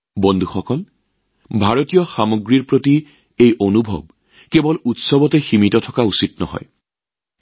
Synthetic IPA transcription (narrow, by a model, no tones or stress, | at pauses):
bɔndʱuxɔkɔl | bʱaɹotijɔxamoɡɹiɹpɹoti | ejʔonubʱɔ̰b̚ | kebɔlutsɔbɔtɛximitɔtʰɔkausitnɔ̰ɦɔ̰j